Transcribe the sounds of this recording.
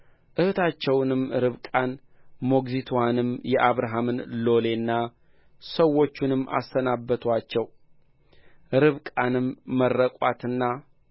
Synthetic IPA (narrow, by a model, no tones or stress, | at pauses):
ʔɨhɨt̪ʰat͡ʃːɛwnɨmɾɨβkʼan | mo̞ɡzit̪ʰanɨmjɛʔaβɾaɦamɨnlo̞le̞nːa | səwːo̞t͡ʃːunɨmːa̰st̪ənabːət̪ʰwat͡ʃːɛw | ɾɨβkʼanɨmːərːəkʼa̰t̪ɨnːa